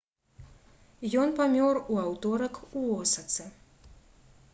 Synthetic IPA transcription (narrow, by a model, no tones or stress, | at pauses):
jɔnpamʲɔruawt̪ɔɾɐkuɔsɐt̪sɛ